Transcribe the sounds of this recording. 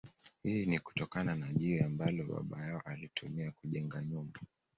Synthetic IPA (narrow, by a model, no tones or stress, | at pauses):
hiːniku̥tɔkananaʄiɾɛambalɔɓa̰ɓa̰jaɔʔalitʰumiakuʄɛŋɡaɲumba